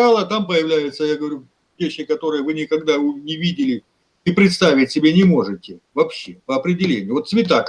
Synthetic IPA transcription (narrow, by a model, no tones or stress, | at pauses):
alˠət̪ampəjɪvlʲæjʊt̪səjaɡəvɐɾʲu | vʲeɕːɪkɐt̪o̞ɾɨjəvɨnʲɪkɐɡd̪aʊnʲɪvʲidʲɪlʲɪ | ipɾʲɪt̪st̪avʲɪtʲsʲɪbʲenʲɪmo̞ʐɨtʲɪvɐpɕːe̞pəɐpɾʲɪdʲɪlʲenʲɪjʊvot̪svʲɪt̪̬ak